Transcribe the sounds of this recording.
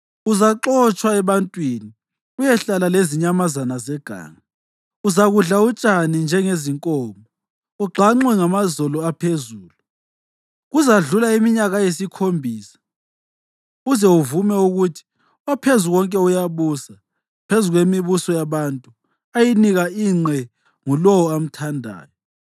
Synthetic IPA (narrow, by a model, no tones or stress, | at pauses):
uzaǁɔt͡ʃʼwaɛβantʼwini | ujɛɬalaleziɲamazanazɛɡ̥ʱa̰ːŋa | uzaɣuɮaut͡ʃʼanind͡ʒʱɛŋeziŋkʼɔːmɔ | uɡ͡ǃʱaŋ͡ǁwɛŋamazɔlɔapʰezuːlu | ɣuzaɮulaimiɲaɣajesikʰombʱiːsḁ | uzɛuvumɛuɣutʰi̥ | wapʰezuɣɔŋkʼɛujaβuːsa | pʰezuɣwemiβusɔjaβantʼu | ajiniɣaiːŋ͡ǀʱɛ | ŋulɔwɔam̩tʰandʱa̰ːjɔ